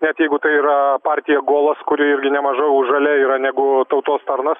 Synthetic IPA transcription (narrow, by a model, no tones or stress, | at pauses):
nʲɛt̪jɛɪɡʊt̪ɐɪiːɾɐpɑːɾʲt̪ʲɪjɛɡoːlˠɐskʊɾʲɪɪɾʲɡʲɪnʲɛmɐʒɐɪʊʒɐlʲɛiːɾɐnʲɛɡʊt̪ɐʊt̪oːst̪ɐɾnɐs